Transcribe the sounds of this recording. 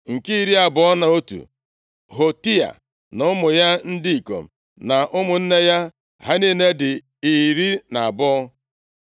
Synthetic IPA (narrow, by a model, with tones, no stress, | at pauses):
ŋ̩˨ki˦i˦˨ɾi˦a˨bɔ˦ɔ˦na˨o˦tṵ˨ | ɦo˨ti˦a̰˨ | nʊ˦ʊ˦mʊ˨ja˦n̩˦di˦i˨ko̰˨m̩˨ | na˨ʔʊ˦mʊ˨n̩˦ne˦ja˦ | ɦa˦ni˦ne˦dɪ˨ | i˨ɾi˦na˨a˨bɔ˦ɔ˦